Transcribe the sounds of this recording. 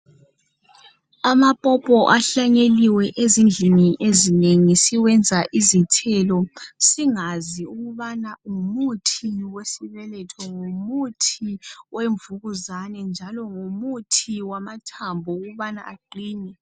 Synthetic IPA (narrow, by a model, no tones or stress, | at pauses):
amapʼɔpʼɔʔaɬaɲeliwɛʔezind͡ɮʱiniʔezineŋisiwɛnd͡zʱaʔizitʰɛlɔsiŋaziuɣuβanaŋumutʰiwesiβɛlɛtʰɔŋomutʰiweɱvuɣuzanɛnd͡ʒʱalɔŋomutʰiwamatʰambʱɔuɣuβana̰aǃiːnɛ